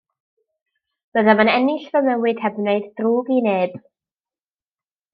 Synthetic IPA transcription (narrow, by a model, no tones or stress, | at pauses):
b̥əðamanɛnɪɬvəmɛwɨd̥hɛbneɨddruːɡineːb̥